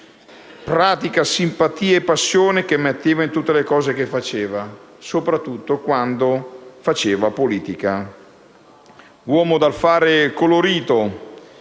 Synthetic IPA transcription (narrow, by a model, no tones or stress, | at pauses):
pɾaːt̪ikasimpat̪iːaepːasːjoːnek̟emːet̪ːeːvaint̪ut̪ːelekɔːzekefːat͡ʃeːva | sopɾat̪ːut̪ːokwand̪ofat͡ʃeːvapoliːt̪ika | wɔːmod̪alfaːɾekoloɾiːt̪o